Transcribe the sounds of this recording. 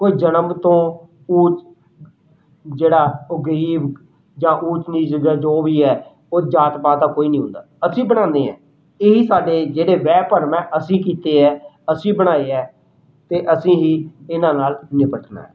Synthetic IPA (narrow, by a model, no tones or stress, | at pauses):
koːiːd͡ʒənəmt̪õː | uːt͡ʃ | d͡ʒeːɽaːʊɡəɾiːb | d͡ʒãːʔuːt͡ʃniːd͡ʒəɡd͡ʒoːʋiːɛː | oːd͡ʒaːt̪paːt̪aːkoːiːnĩːɦʊ̰̃nd̪a̰ːəsĩːbəɽ̃ãːnd̪eːɛ̰̃ː | eːɦiːsaːɖeːd͡ʒeːɽeːʋɛːpəɾmɛ̃ːʔəsĩːkiːt̪eːɛː | əsĩːbəɽ̃aːeːɛː | t̪eːʔəsĩːɦiːɪnãːnaːlnɪpəʈʰna̰ːɦɛː